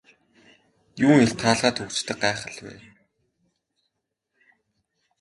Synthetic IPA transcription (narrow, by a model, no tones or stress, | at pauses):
juːŋeɬt̪ʰaːɮʁaːt̪xɵkt͡ɕt̪ɘ̆k̚ɢæːχə̆ɮpæ̰ː